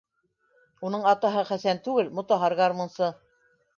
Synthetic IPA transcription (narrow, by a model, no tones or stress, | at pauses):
unɤɴɑt̪ɑɦɤχæsænt̪ʉɡɘlmŏt̪ɑɦɑɾɣɑɾmŏnsɤ